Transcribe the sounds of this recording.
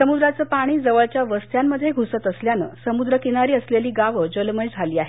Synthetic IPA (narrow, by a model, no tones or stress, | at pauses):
səmud̪ɾat͡səːpaɽ̃iːd͡zəʋəɭt͡ɕjaʋəst̪ʰjamːəd̪ʱːjeɡʱusət̪əsljanə̰səmud̪ɾəkinaɾiːəsleliːɡaʋəd͡ʑəlməjd͡zʱaliːaɦe